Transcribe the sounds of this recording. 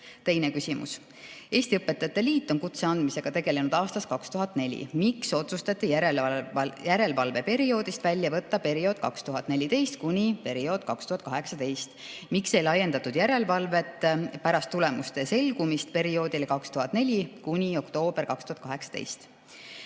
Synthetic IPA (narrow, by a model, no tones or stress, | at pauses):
t̪e̞jne̞kysimṵs | e̞ːsʲt̪iɤpːˑet̪ːˑɑt̪ːˑeliːt̪ːˑo̞nkut̪se̞ɑnd̪mise̞ɡ̥ɑt̪e̞ɡ̥e̞le̞nud̪ɑːst̪ɑskɑkst̪uɦɑt̪ːˑne̞lʲḭmikso̞t̪sust̪ɑt̪ˑːiæjæɾe̞lvɑlve̞pe̞ɾio̞ːd̪̥ist̪vælʲːjɑvɤ̞t̪ːɑpe̞ɾio̞ːd̪̥̚kɑkst̪uɦɑt̪ːˑne̞lʲit̪e̞jst̪̚kunʲipe̞ɾio̞ːd̪̥̚kɑkst̪uhɑt̪̚ˑkɑɦeksɑt̪e̞jst̪ | mikse̞jlɑje̞nd̪ɑt̪ːud̪̥jæɾe̞lvɑlve̞t̪ːpæɾɑst̪ːule̞must̪e̞se̞lɡ̥umist̪pe̞ɾio̞ːd̪ilkɑkst̪uɦɑt̪ːˑne̞lʲikunʲio̞kt̪o̞ːb̥e̞rkɑkst̪uhɑt̪kɑɦe̞ksɑ̥t̪ḛjst̪